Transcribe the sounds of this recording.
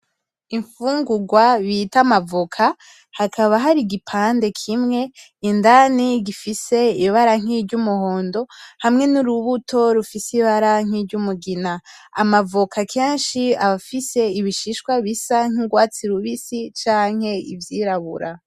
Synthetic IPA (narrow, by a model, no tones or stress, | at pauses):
iɱfuːŋɡuɡwaβitamavokʰa | hakʰaβaɦaɾiɡipʰaːnde̞kʰimŋe̞ | indaniɡifise̞iβaɾaŋ̥iɾɟumuho̞ːndo̞hamŋe̞nuɾuβutʰo̞ɾufisiβaɾaŋ̥iɾɟumuɡina | amavokʰakʰeːnʃiaβafise̞iβiʃiʃkwaβisaŋ̥iɡwaːt͡siɾuβisit͡ʃaːŋ̥he̞ivjiːɾaβuɾa